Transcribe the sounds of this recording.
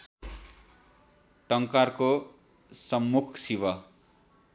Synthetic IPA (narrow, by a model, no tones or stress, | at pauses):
ʈʌŋkarko | sʌmːukʰsiwʌ